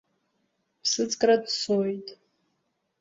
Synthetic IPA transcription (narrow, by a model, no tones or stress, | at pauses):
pʰsɨt͡sʼkʼradsojtʼ